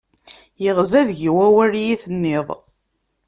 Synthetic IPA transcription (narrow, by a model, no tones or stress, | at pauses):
jəʁzæðʝiwæwæɾjiθənːɪðˤ